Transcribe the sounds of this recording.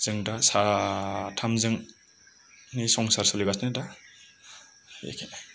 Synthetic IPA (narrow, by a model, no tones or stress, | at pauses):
z̥ɯŋdasa | tʰamzɯŋ | nisɔŋsaɾsɔliɡasneda | ḛkʰenaj